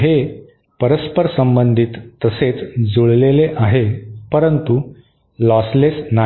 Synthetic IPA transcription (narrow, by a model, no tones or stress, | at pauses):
ɦe | pəɾəspəɾsəmbənd̪ʱit̪ːəset͡sd͡zuɭleleʔaɦepəɾənt̪u | lɔslesna